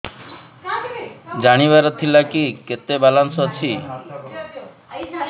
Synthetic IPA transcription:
d͡ʒaɽ̃iβaɾɔt̪ʰilakiket̪ebalansɔt͡ʃʰi

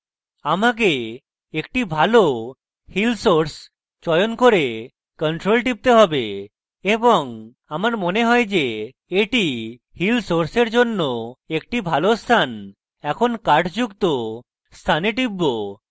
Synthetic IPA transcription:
amak̬e | ekʈibʱalo | hilsoɾs | t͡ʃɔjonkoɾe | kɔɳʈɾolʈip̚t̪eɦɔbe | ebɔŋ | amaɾmoneɦɔed͡ʑe | eʈi | hilsoɾseɾd͡ʒonːoek̚ʈibʱalost̪ʰan | ɛkʰonkaɾʈd͡ʑukt̪o | st̪ʰaneʈibːo

